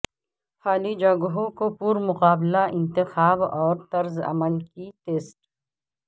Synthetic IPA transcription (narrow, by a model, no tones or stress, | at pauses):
xaːlid͡ʒɐɡɦõkopuːɾmʊqaːblaɪ̃nt̪ɪxaːbɔːɾt̪ɐɾzɐ̰məlkit̪eːsʈ